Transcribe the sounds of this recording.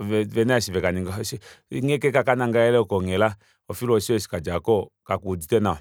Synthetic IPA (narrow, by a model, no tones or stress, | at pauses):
vɛvɛnasivɛkaniŋɡasŋekɛkakanaŋɡajɛlɛɔkɔŋɛla | ɔfiɔʃiesi̥kad͡ʒakɔkakuod͡ʒitɛna